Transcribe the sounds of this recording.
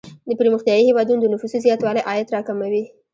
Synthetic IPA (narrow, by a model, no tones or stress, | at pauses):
d̪əpɾməxt̪jɑjihewɑd̪unod̪ənʊfusizjɑt̪wɑlajʔɑjat̪ɾɑkamawi